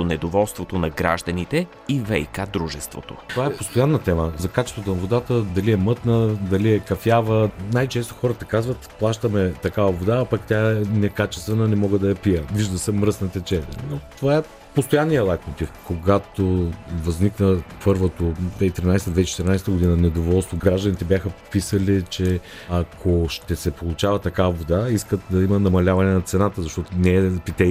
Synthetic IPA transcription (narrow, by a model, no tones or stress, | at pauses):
onɛd̪ovɔlˠst̪vot̪onɐɡɾa̰ʒd̪ɐnit̪ɛ | ivɛjkad̪ɾuʒɛst̪vo̰t̪o̰t̪ovaɛpost̪ojanːət̪ɛməzɐkat͡ʃɛ̥st̪vət̪onɐvod̪at̪əd̪ɐliɛmɤt̪nəd̪ɐliɛkɐfjavənajt͡ʃɛst̪o̥xɔɾət̪ɐkazvət̪plˠaʃt̪əmɛt̪ɐkavɐvod̪aːpɐkt̪ʲaɛnɛkat͡ʃɛ̥st̪vɛnənɛmɔɡəd̪ɐjɐpijəviʒd̪əsɛmɾəsnɐt̪ɛt͡ʃɛnʲə̰not̪ovaɛ | post̪ojanːijəlˠajt̪mot̪ifkoɡat̪ovɐzniknəpɤɾvot̪od̪vɛit̪ɾinajst̪əd̪vɛit͡ʃɛ̥t̪iɾinajsɛt̪əɡod̪inɐnɛd̪ovɔlˠst̪voɡɾaʒd̪ənit̪ɛbjaxəpisəlit͡ʃɛ | ɐkʰoʃt̪ɛsɛpolˠʊt͡ʃavət̪ɐkavɐvod̪aiskət̪̚d̪ɐimɐnɐmɐlʲavɐnɛnɐt̪sɛnat̪əzɐʃt̪ɔt̪onɛːpit̪ɛ